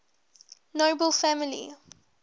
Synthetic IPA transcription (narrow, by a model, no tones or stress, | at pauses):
noʊbəlfæmɪlḭ